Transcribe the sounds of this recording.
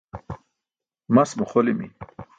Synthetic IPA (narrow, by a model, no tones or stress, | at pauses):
masmuχolimḭ